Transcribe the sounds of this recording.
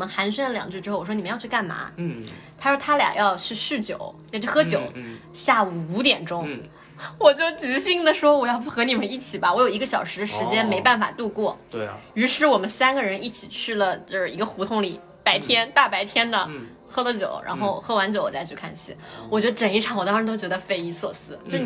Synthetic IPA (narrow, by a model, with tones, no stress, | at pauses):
wɔ˨mə˦nxa˧˥nɕ̬ɥɛ˥nd̪ə˨ljɑ̰˨˩ŋt͡ɕy˥˩ʈ͡ʂɻ̩˥xwwɔ˥ni˨˩mə˦jʊt͡ɕʰka˥˩nma̰˧˥t̪ʰa˥ʂwɔ˥t̪ʰa˥ljɑ̰˨˩ŋjɑ˥˧ʊt͡ɕʰy˥˧ʂɻ̩˥˩t͡ɕjo˨˩˦ʊt͡ɕa˥˧t͡ɕʰo˥˩xɤ˥t͡ɕjo˨˩ʊɕja˥˩u˨˩u˧˥t̪̬jɛ˨˩nʈ͡ʂʊ˥ŋ | wɔ˨˩t͡ɕjo˥˩ʊt͡ɕɹ̩˧˥ɕi˥˩ŋd̪ə˨ʂwɔ˥wɔ˨˩jɑ˥˧ʊpxɤ˧˥ni˨˩mə˦ni˥˩t͡ɕʰi˨˩bɐ˦wɔ˧˥jo˨˩ʊi˧˥ɡə˧ɕjɑ˨˩ʊʂɻ̩˧˥d̪ə˧ʂɻ̩˧˥t͡ɕjɛ˥nme˧˥ɪpa˥˩nfa̰˨˩t̪u˥˧kwɔ˥˩y˧˥ʂɻ̩˥˩wɔ˨˩mə˦nsa˥nɡə˨ɻə˧˥ni˥˩t͡ɕʰi˨˩t͡ɕʰy˥˩lə˩t͡ɕo˥˧ʂɻ̩˥˩i˧˥ɡə˧xu˧˥t̪ʰʊ˧˥ŋli˨˩˦ | pa˧˥ɪt̪ʰjɛ˥nt̪a˥˩pa˧˥ɪt̪ʰjɛ˥nd̪ə˨ | xɤ˥lə˨t͡ɕjo̰˨˩˦ʊɻa̰˧˥nxo˥˩ʊ˩xɤ˥wa˧˥nt͡ɕjo˨˧˦ʊwɔ˨˩t͡sa˥˧ɪt͡ɕʰy˥˧kʰa̰˥˩nɕḭ˥wt͡ɕɥɛ˧˥d̪ə˧ʈ͡ʂə˨˩ni˥˩ʈ͡ʂʰɑ˧˩ŋwɔ˨˩ɑ˥ŋʂɻ̩˧˥t̪o˥t͡ɕɥɛ˧˥d̪ə˧fe˥ɪi˧˥swɔ̰˨˩sɹ̩˥t͡ɕjo˥˩ʊ